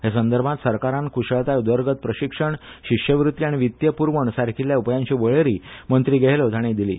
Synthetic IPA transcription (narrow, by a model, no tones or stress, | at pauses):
ɦes̬ənd̪əɾbʱãt̪səɾkaɾãnkʰuɕəɭt̪ajud̪ʋəɾɡət̪̚pɾəɕikʂəɳɕiʂjəʋɾut̪ːjiaɽ̃iʋit̪jəpuɾʋəɳsaɾkʰiljaupjãɲt͡ɕiːʋəɭeɾiːmənt̪ɾiːɡeɦlot̪aɽ̃id̪ilḭː